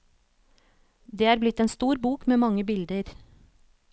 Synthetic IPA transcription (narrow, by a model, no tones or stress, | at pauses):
d̪eːæːɾblɪt̪eːnst̪uːɾbuːkmeːmɑŋəbɪld̪əɾ